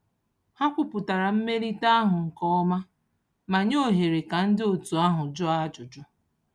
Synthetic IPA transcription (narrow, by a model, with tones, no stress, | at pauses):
ha˦kʷʊ˦pʊ˨ta˨ɾa˨m̩˦me˦ɾi˦ta˦a˦ɦʊ˨ŋ̩˨kɔ˦ɔ˦ma˦ | ma˨ɲo˦˨ɦe˨ɾe˨ka˨n̩˦dɪ˦o˨tu˨a˦ɦʊ˨d͡ʒʊ˦a˦d͡ʒʊ˨d͡ʒʊ˦